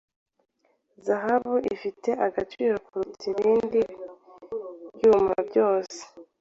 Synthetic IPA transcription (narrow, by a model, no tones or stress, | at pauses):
zaɦaβuʔifite̞ʔaɡat͡ʃiːɾokuɾut͡siβiːndi | juːma̰bjo̞ːse̥